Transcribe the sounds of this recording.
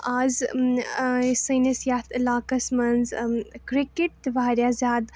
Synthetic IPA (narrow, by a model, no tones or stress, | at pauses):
aːz | sɐːnɐsjaːt̪laːkɐsmɐnzkɾikeʈ̚t̪ʋaːɾjaːzʲaːd̪